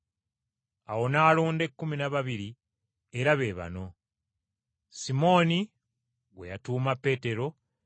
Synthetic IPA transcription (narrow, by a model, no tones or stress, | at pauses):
awo̞naːluːnde̞kːuminaβaβiɾi | e̞ɾaβe̞ːβa̰no̞ | simo̞ːni | we̞̰jatuːmapːe̞ːte̞ɾo̞